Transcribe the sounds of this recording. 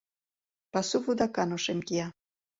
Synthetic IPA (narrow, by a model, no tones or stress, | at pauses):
pɑsuβud̪ɑkɑnoʃemkijɑ